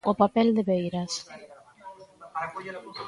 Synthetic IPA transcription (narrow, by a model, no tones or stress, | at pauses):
ʊpapɛld̪eβejɾas